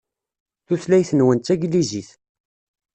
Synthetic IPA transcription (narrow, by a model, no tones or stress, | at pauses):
θuθlæjθənwənt̪ːæɡliziθ